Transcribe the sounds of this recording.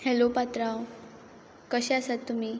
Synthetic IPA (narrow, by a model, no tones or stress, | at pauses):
helopat̪ɾaw | kəɕeasat̪ːum̤iː